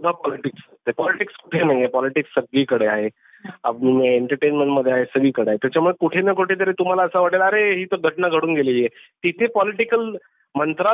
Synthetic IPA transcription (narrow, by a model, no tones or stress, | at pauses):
sud̪ʱapɔliʈiksət̪ːepɔliʈikskuʈʰenaɦjepɔliʈiksːəɡɭiːkəɽeaɦe | a̰pnimeɳʈəɾʈenmeɳʈməd̪ʱːeaɦesəɡiːkəɽeaɦet̪jat͡ɕamuɭekuʈʰenajkuʈʰet̪̬aɾet̪um̤alaəsaʋəɽelaːɾeɦiːt̪əɡʱəʈnaɡʱəɽuːnɡeliːjet̪it̪ʰepɔliʈikəl | mənt̪ɾa